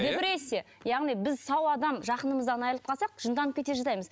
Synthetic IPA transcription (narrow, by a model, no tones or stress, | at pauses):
d̪ebɪɾese | jɑʁnijbɪzsɑwɑd̪ɑmʒɑqənəməzd̪ɑnɑjəlˠət̪̚qʰɑsɑqʒ̥ənd̪ɑnəp̚kʲʰe̞t̪eʒɑzɑjməz